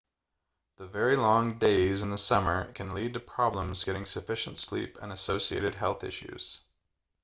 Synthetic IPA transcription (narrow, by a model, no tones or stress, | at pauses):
ðəvɛɹilɔ̃ŋdeɪzɨ̃nðəsʌmə˞kʰɨ̃nlid̚tɨpʰɹ̥ɑblə̃mzɡɛɾɪ̃ŋsɨfɪʃɨ̃ntslḭpɨ̰̃nɨsoʊsiḛɪɾɨd̚ɦɛlˠθɪ̰ʃʉ̰z̥